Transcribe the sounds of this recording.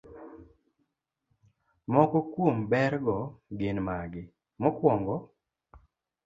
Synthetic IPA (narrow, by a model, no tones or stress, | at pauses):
mɔkɔkwombɛɾɡɔɡɪnmaɡɪ | mɔkwɔŋɡɔ